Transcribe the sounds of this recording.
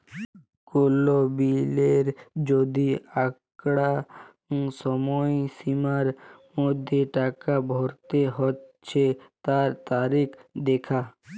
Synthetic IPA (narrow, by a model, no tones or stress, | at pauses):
kolobileɾd͡ʑod̪iakɽa | sɔmɔesimaɾmod̪ʱːeʈakabʱɔɾt̪eɦotːɕʰet̪aɾt̪aɾikʰd̪ekʰa